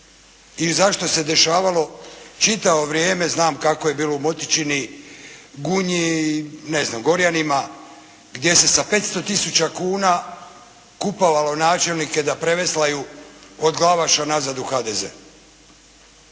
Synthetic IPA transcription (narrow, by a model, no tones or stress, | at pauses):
izaʃt̪o̞se̞d̪e̞ʃaːʋalo̞t͡ʃit̪aʋo̞ʋɾjeːme̞znaːmkako̞je̞biːlo̞umo̞t̪it͡ʃini | ɡuɲine̞znamɡo̞ɾjanima | ɡd̪je̞se̞sape̞t̪st̪o̞t̪isut͡ɕakuːna | kupoʋalo̞naːt͡ʃe̞lnike̞d̪apɾe̞ʋeslajuod̪ɡlˠaʋaʃanazad̪uxaːd̪ezḛ